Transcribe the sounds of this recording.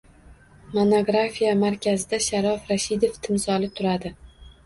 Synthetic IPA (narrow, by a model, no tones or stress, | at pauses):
monoɡɾafijamaɾkʲazɪd̪aʃaɾɒfɾaʃɪd̪eft̪ʰɪmsɒlɪt̪ʰʊɾad̪ɪ